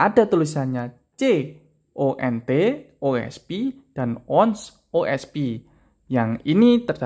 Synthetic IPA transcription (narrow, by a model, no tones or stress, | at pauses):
ʔadat̪ulusanɲa | t͡ʃe | ʔoʔɛnt̪eʔoɛ̰spid̥anɔns | oʔɛspi | jaŋinit̪ərd̥a